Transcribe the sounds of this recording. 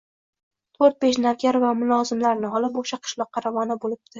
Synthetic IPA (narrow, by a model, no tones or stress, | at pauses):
t̪ʰoɾt̪̚beʃ̬navɡʲaɾvamʊlˠɒzɪmlaɾnɪɦɒlˠɪpoʃaqʰɨ̥ʃlˠɒqʰːɑɾavɒnabolɪp̚d̪̥ɪ